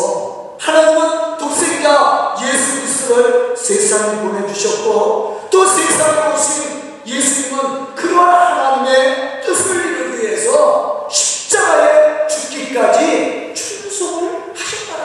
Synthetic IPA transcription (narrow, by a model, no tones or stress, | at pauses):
hanaɲimɯntok̚s͈eŋiɡajesʰuɡɯɾist͈oɯɾsʰesʰaŋepone̞d͡ʑuɕʰʌt̚k͈ot͈osʰesʰaŋeoɕʰin | jesʰuɲimɯnkɯɾʌɦanhanaɲime̞t͈ɯsʰɯɭnɯŋie̞sʰʌɕʰi̥p̚t͡ɕ͈aɡaet͡ɕut̚k͈ik͈ad͡ʑit͡ɕʰuŋsʰoɡɯɭhaɕʰʌt͈a